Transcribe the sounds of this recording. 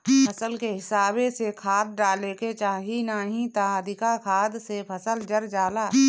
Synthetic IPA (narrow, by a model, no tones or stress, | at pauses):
pʰəsəlkeɦɪsaːbesekʰaːd̪̚ɖaːleket͡ʃaːɦinaːɦĩt̪aəd̪ʱɪkakʰaːd̪sepʰəsəld͡ʒəɾd͡ʒaːlaː